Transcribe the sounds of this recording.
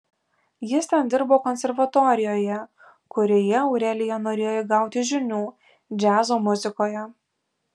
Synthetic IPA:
jɪst̪ʲɛnd̪ʲɪɾboːkɔnʲsʲɛɾʋɐt̪oːɾʲɪjoːjɛ | kʊɾʲoːjɛɒʊɾʲɛlʲɪjɛnoːɾʲeːjoːjɪɡɑˑʊt̪ʲɪʒʲɪnʲuː | d͡ʒʲæːzoːmʊzʲɪkoːjɛ

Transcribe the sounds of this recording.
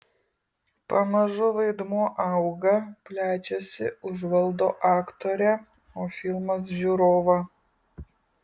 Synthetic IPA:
pɐmɐʒʊʋɐɪd̪muɔʔɐʊɡɐpʲlʲæːt͡ʃʲɛsʲɪ̰ʊʒʋɐlˠd̪oːʔɑːkt̪oːɾʲɛ | oːfʲɪlˠmɐs̬ʒʲuːɾoːʋɐ

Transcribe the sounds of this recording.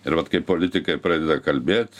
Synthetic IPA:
ɪɾʋɐt̪kɐɪpolʲɪt̪ʲɪkɐɪpɾɐd̪ʲɪd̪ɐkɐlʲbʲeːt̪ʲ

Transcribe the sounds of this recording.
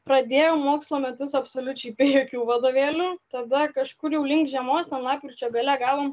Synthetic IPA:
pɾɐd̪ʲeːjoːmoːkslˠoːmʲɛt̪ʊsɐpsoːlʲʊt͡ʃʲɛɪpʲeːjoːkʲuːʋɐd̪oːʋʲeːlʲuːt̪ɐd̪ɐkɐʃkʊɾjɛʊlʲɪŋkʒʲɛmoːst̪ʲɛnlˠɑːpʲkʲɾʲɪt͡ʃʲoːɡɐlʲɛɡɑːʋoːm

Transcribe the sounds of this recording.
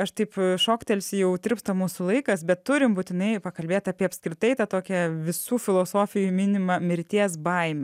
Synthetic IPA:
ɐʃt̪ɐɪpʃoːkt̪ʲelʲsʲjɛʊd̪ʲɪɾrpst̪ɐmuːsulˠɐɪkɐsbʲɛt̪t̪ːʊɾʲɪmbuːt̪ʲɪnɐɪpɐkɐlʲbʲeːt̪ɐːpʲiɛɐpʲskɾʲɪt̪ɐɪt̪ɐt̪oːkʲɛʋʲɪsuːfʲɪlˠoːsoːfʲɪjumʲɪnʲɪmɐmʲɪɾʲt̪ʲiɛs̬bɐɪmʲɛ

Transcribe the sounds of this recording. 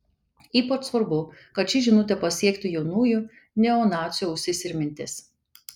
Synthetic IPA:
iːpɔt̪sʋɐɾbʊkɐt̪t͡ʃʲɪʒʲɪnʊt̪ʲɛpɐsʲiɛkt̪ʲɪjɛʊnuːju | nʲɛoːnɑːt̪sʲɪjoʊʃʲsʲɪsʲɪɾʲmʲɪnʲt̪ʲɪs

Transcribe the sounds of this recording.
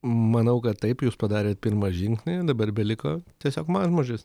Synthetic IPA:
mɐnɐʊkɐt̪t̪ːɐɪpjuːspɐd̪ɑːɾʲeːt̪̚pʲɪɾmɐʒʲɪŋksʲnʲeːd̪ɐbɐrbʲɛlʲɪkoːt̪ʲiɛsʲoːkmɑʒmoːʒʲɪs

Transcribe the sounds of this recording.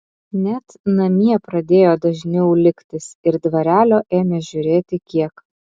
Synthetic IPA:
nʲɛt̪nɐmʲiɛpɾɐd̪ʲeːjoːd̪ɐʒʲnʲɛʊlʲɪkt̪ʲɪsɪɾd̪ʋɐɾʲæːlʲoːʔeːmʲɛʒʲʊɾʲeːt̪ʲɪkʲiɛk

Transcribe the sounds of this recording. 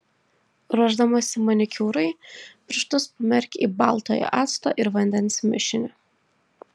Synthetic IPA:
ɾuɔʒd̪ɐmɐsʲɪmɐnʲɪkʲuːɾɐɪpʲɾʲɪʃt̪ʊspɐmʲɛɾʲkʲḭːbɑˑlˠt̪oːjo̰ʔɑːt̪st̪o̰ːʔɪɾʋɐnʲd̪ʲɛnsmʲɪʃʲɪnʲʊ

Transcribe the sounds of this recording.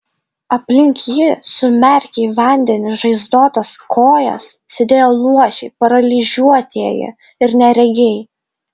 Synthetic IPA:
ɐpʲlʲɪŋʲkʲjɪsʊmʲɛɾʲkʲɛɪʋɐnʲd̪ʲɛnʲɪʒɐɪzd̪oːt̪ɐskʰoːjɛ̰ssʲɪd̪ʲeːjolˠuɔʃʲɛɪpɐɾɐlʲɪʒʲuɔt̪ʲiɛjɪ̰ | ɪɾnʲɛɾʲɛɡʲɛɪ

